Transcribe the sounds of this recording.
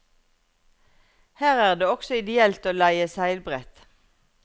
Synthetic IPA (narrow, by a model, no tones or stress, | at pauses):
hæːʁæːʁd̪eːɔksɔɪd̪ɪɛlt̪oːlæɪəsæɪlbʁɛt̪